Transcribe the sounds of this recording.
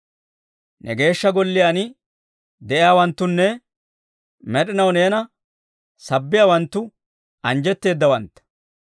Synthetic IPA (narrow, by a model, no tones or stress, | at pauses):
nʔɛ̰ɡe̞ːʃːɐɡɔlːɪjaːnɪ | d̪ɛʔɪjaːwɐnt̪ːʊnːɛ | mɛɗɪnɐwne̞ːnɐ | sɐbːɪjaːwɐnt̪ːʊ | ɐnd͡ʒɛt̪ːe̞ːd̪ːɐwɐnt̪ːɐ̥